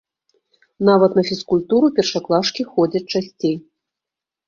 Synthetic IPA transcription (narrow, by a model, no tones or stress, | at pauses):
navɐt̪nɐfʲiskulʲt̪uɾupʲɛrʂaklˠaʂkʲixɔd͡zʲɐt͡sʲt͡ʂasʲt͡sʲej